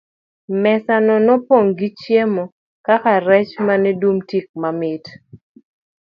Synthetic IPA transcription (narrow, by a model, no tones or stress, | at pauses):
mɛsanɔnɔpoŋɡit͡ʃjemɔ | kakaɾɛt͡ʃmanɛdumtik̚mamɪt